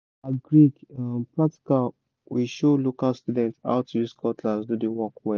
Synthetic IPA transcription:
aɡɹidpɹak̚ti̥kal | wiʃolokalstudɛ̃nta̰ʊtʰujiskɔtʰlazdudewɔkwɛ

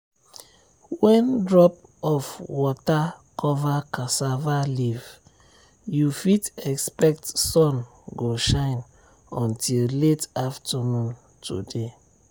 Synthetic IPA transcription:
wɛ̃ndɹɔp̚ | ɔfwɔta | kʰɔvakasavaliv | jufitɛkspɛk̚tsɔ̃n | ɡoʃãɪ̃n | ɔ̃ntilletaftanũn | tʰṵde

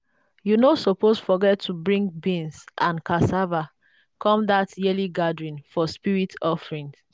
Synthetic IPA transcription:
junosɔposfɔɡɛtʰːubɹĩŋɡbĩnsʔãnkasava | kʰɔ̃mdatjɛliɡadɹĩnfɔspiɹitʰɔfɹĩn

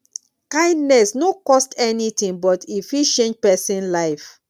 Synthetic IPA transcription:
kãɪ̃ndnɛsnokɔstɛnitĩŋbɔtʰifiʃt͡ʃẽnd͡ʒpɛsĩnlaɪf

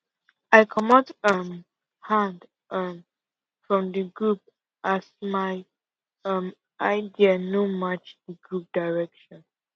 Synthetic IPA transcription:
aɪkʰɔnɔtʌm | hãnd | ʌm | fɹɔ̃mdəɡɹup̚ | ʔasmaɪ | ʌm | ʔaɪdiənomat͡ʃdəɡɹup̚d̥aɪɹɛkʃɔ̃n

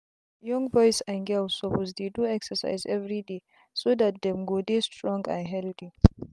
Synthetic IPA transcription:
jɔ̃ŋbɔjsanɡɛlsɔpozdeduɛksəsa̰jzɛvɾide | sodat̚d̪ɛmɡodestɹɔ̃ŋɡã̰nɦɛldi

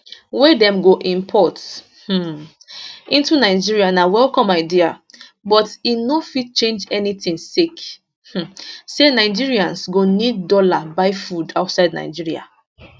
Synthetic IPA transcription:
wedɛ̃mɡoʔĩmpʰɔt | h̩ | ʔĩntunaɪd͡ʒiɹianawɛlkɔ̃maɪdiabɔtinofit̚t͡ʃẽnd͡ʒɛnitĩŋsik | h̩senaɪd͡ʒiɹiãnsɡonid̚dɔlabaɪfudaʊtsaɪdna̰ɪd͡ʒiɹia̰

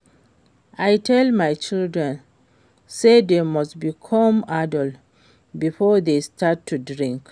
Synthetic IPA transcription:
ʔajtʰɛlˠmajt͡ʃildɹɛ̃n | sedemɔstbikʰɔ̃madɔlt | bifɔðestʰatʰːudɹĩŋk

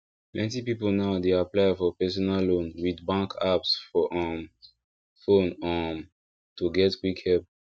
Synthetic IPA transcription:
plɛ̃ntipipolnaʊdeaplaɪfɔpɛs̬ɔnallõnwidbãŋkʰapsfɔʔãm | fõnɔ̃m | tuɡɛtwikʰhɛp̚

